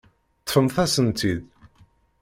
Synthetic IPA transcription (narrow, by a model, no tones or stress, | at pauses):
t̪ːfəmθæsənt̪ið